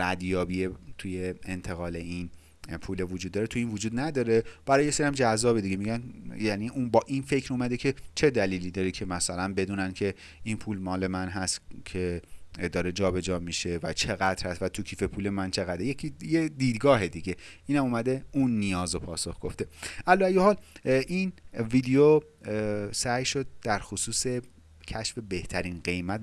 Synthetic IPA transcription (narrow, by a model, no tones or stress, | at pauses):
ɾæd̪jɒːbiet̪ʰuje̞ent̪ʰe̞ɣɒːle̞in | pʰuːlevod͡ʒud̪ːɒːɾet̪ʰuiːnvod͡ʒuːd̪næd̪ɒːɾe̞b̥æɾɒjejeseɾijæmd͡ʒæzːɒːbed̪iɟemiɟænjæniʔunbɒːʔinfe̞cʰɾumæd̪ecʰe̞t͡ʃʰe̞d̪æliːliːd̪ɒːɾicʰe̞mæsælænbe̞d̪uːnæncʰe̞ | inpʰuːlmɒːle̞mænɦæst̪cʰed̪ɒːɾe̞d͡ʒɒːbe̞d͡ʒɒːmiʃe̞væt͡ʃʰe̞ɣæd̪ɾhæst̪væt̪ʰucʰiːfe̞pʰuːle̞mænt͡ʃʰe̞ɣæd̪ɾjecʰijed̪iːd̪ɡɒːɦe̞d̪iɟe̞iːnæmuːmæd̪eunːijɒːzopʰɒːsoxɡ̥o̞̰ft̪e̞ʔælɔæjohɒːlʔinvid̪ejo | sæjʃo̞d̪̚d̪æɾxosuːse̞ | cʰæʃfe̞be̞ht̪ʰæɾiːnɢe̞jmæt̪